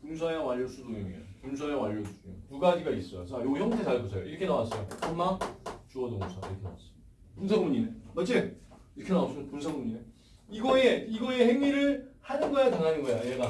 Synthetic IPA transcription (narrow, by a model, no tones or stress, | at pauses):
puns̬ʰajaŋwaʎːʌs͈ʰudojiŋeḛpuns̬ʰajawaʎːʌsuuɲotuɡad͡ʑiɡais͈ʌjot͡ɕʰajojʌŋtʰesaɭɡusʰʌjoiɾʌkʰenawas͈ʌjokʌnmat͡ɕuʌdokuŋsʰaiɾʌkʰena̰was͈ɯid | puns̬ʰaɡuɲinemat͡ɕ͈e | iɾʌkʰenawas͈ɯmdpunsʰaɡuɲine | iɡʌeiɡʌe̞heŋiɾɯɭhanɯnɡʌjataŋɦanɯnɡʌjajeɡa